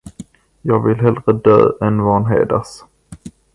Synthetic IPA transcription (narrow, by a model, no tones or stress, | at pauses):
jɑːɡvɪlɦɛld̪ɾəd̪ø̰ːɛnvɑːnɦḛːd̪as